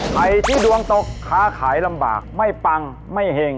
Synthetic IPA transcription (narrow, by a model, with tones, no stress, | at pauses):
kʰa˨˩jt̪ʰiː˥˩du˧əŋt̪o˨˩kʰːaː˦˥kʰaː˩˦jla˧mba̰ː˨˩k̚ma˥˩jpa˧ŋ | ma˥˩jɦe˧ŋ